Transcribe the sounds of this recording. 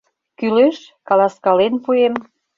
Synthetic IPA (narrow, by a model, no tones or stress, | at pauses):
kyleʃkɑlɑskɑlenpuem